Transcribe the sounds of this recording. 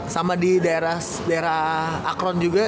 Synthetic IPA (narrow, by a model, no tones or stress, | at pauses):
samadidaeɾah | daeɾahakɾɔnd͡ʒuɡa